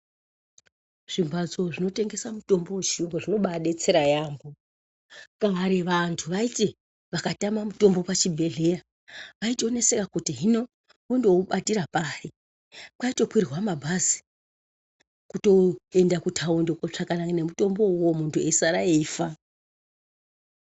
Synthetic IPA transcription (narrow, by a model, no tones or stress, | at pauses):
ʐ̥imbʱad͡zo̞ʐino̞te̞ŋɡe̞samuto̞mbowet͡ʃimboʐino̞ɓaɗe̞t͡se̞ɾajaːmɡo | kaaɾeʋantʰuʋaite | ʋakatamamuto̞mbo̞pat͡ʃibʱe̞ɮe̞ja | ʋaitio̞ne̞sekakutiɦino̞ | ondo̞uɓatiɾapari | kwaito̞kwirrwamabʱazi̥ | kuto̞e̞ndakutʰaondokot͡ʂakanane̞muto̞mbo̞uwo̞muntʰue̞saɾae̞ifa